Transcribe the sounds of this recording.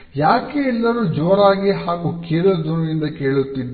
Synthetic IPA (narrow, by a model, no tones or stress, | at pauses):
jaːkeɛlːɐɾuːd͡ʒoːɾaːɡeɦaːɡuːkeːlɐd̪uɾɐʋind̪ɐke̞ːɭut̪ːid̪